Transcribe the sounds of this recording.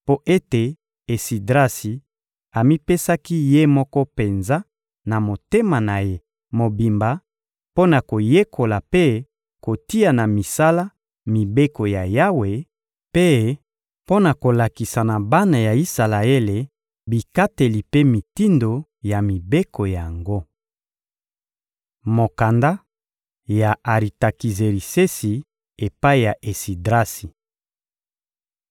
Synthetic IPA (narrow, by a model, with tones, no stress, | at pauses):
po˦ʔe˦te˨ | e˨si˨dʁa˦si˨ | a˨mi˦pe˦sa˦ki˦je˦mɔ˦kɔ˦pe˨nza˦ | na˨mo˨te˦ma˨na˨je˦ | mo˨bi˨mba˨ | po˦na˨ko˨je˦kʰo˨la˨pe˦ | ko˨ti˦a˨na˨mi˨sa˦la˦ | mi˨be˦ko˨ja˨ja˦we˨ | pe˦ | po˦na˨ko˨la˨ki˨sa˨na˨ba˦na˨ja˨i˦sa˨la˨e˦le˨ | bi˨ka˦te˨li˨pe˦mi˨ti˦ndo˨ja˨mi˨be˦ko˨ja˨ŋɡo˦ | mo˨ka˨nda˦ | ja˨a˨ʁi˨ta˨ki˨ze˨ɾi˨se˦si˨ | e˨pa˦i˦˨ja˨ʔe˨si˨dʁa˦si˨